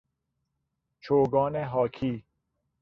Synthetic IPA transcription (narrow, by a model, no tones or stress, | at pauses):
t͡ʃʰoːɡɔːneɦɔːkʰiː